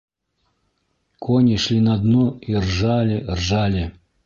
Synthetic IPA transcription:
kʰɔnʲiʂlʲinad̪nuirʐalʲirʐalʲɪ

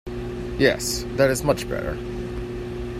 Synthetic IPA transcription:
jɛ̰sðɨɾɨzmʌt͡ʃb̥ɛ̰ɾə̰˞

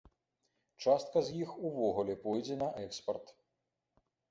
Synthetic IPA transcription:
t͡ʂast̪̚kɐzjixuvɔɣulʲɛpɔjd͡zʲɛnɐʔɛkspɐrt̪

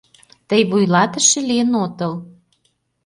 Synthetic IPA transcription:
t̪əjβujlɑt̪ə̆ʃĕliənot̪ə̆l

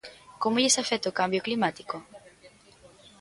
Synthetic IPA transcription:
komoʎesafet̪okambjoklimat̪iko

